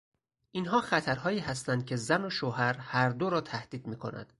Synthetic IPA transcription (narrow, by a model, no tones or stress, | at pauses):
ʔinɦɒːxæt̪ʰæɾɦɒːiːɦæst̪ænd̪̥̚cʰe̞zæno̞ʃoːɦæɾhæɾd̪oɾɒːt̪ʰæhd̪̥iːd̪miːkʰo̞̰næ̰nd̪̥